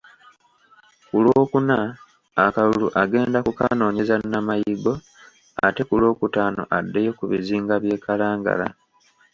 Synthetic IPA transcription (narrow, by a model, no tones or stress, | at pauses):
kuloːkunaː | kaluluʔaɡe̞ːndakuka̰no̞ːɲe̞zannamajiɡo̞ | a̰te̞kulo̞ːkutaːno̞̰ʔadːe̞jo̞kuβiziːŋɡaβje̞ːkalaːŋɡa̰la̰